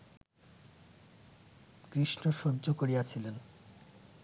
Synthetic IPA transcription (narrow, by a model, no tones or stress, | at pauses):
kɾiʃnoʃodːʑokoɾiat͡ɕʰilen